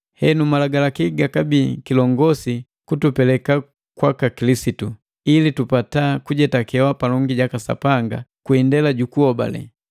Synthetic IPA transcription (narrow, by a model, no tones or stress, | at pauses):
hɛnumalaɡalakiɡakabiːkilɔŋɡɔsi | kutupɛlɛka | kwakakilisitu | ilitupatakuɟɛtakɛwapalɔŋɡiɟakasa̰paŋɡakwindɛlaɟukuɔba̰lɛ̰